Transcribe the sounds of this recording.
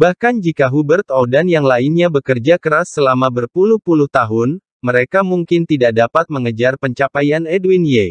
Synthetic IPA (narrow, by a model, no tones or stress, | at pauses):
bahkand͡ʒikaɦubərt̪odanjaŋlainɲabəkərd͡ʒakəɾasːəlamabərpuluhpuluht̪aɦʊn | məɾekamuŋkɪnt̪idak̚dapat̪̚məŋəd͡ʒarpəɲt͡ʃapajanɛdwinje